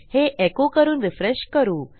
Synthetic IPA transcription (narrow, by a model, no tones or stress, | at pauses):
heʔekokəɾuːnʋifɾeʃkəɾuː